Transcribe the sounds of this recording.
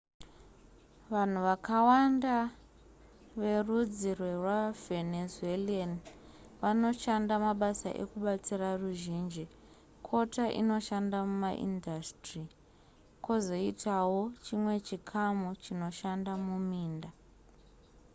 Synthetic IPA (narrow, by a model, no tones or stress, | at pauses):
ʋan̤uʋakawanda | ʋe̞rud͡zirwerwavenezuelani | ʋano̞ʃandamaɓasa̰ʔḛkuɓat͡siraruʒiːnd͡ʒi | kʰo̞taʔḭno̞ʃandamumaʔḭndastri | kozo̞itʰawot͡ʃimwe̞t͡ʃikʰamut͡ʃino̞ʃandamumiːnda